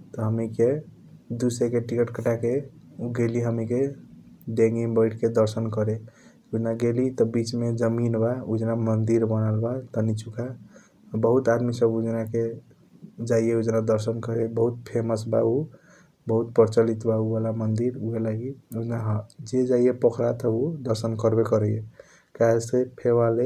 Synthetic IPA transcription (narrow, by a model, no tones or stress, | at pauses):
t̪ɔɦəmike | d̪usekeʈikəʈkəʈake | uɡeliɦəmike | ɖẽŋɡiŋbəɪʈʰked̪əɾsənkəɾe | ud͡ʒnaɡelit̪ɔbit͡ʃmed͡ʒəminbaud͡ʒnamənd̪iɾbənalbat̪ənit͡ʃuka | bəɦut̪ad̪misəbud͡ʒnake | d͡ʒaijeud͡ʒnad̪əɾsənkəɾebəɦut̪̚pʰeməsba̰u | bəɦut̪pəɾt͡ʃəlit̪baubalamənd̪iɾuɦelaɡiud͡ʒnaɦd͡ʒed͡ʒaijepɔkʰɾat̪əud̪əɾsənkəɾbekəɾəje | kaesepʰeβale